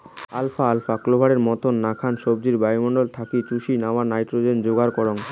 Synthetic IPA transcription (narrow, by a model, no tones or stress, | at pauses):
alfaalfaklobʱaɽeɾmɔt̪onːakʰanʃobd͡ʑiɾbajmoɳɖolt̪ʰakit͡ɕuʃinaoanajʈɾod͡ʑend͡ʑoɡaɾkɔɾoŋ